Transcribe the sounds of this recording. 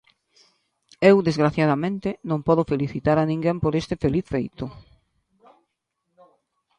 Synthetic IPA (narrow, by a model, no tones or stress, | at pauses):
ewd̪ezɣɾaθjað̞amẽnt̪ɪnõŋpɔðofeliθit̪aɾanĩŋɡempoɾest̪ɪfeliθfejt̪ʊ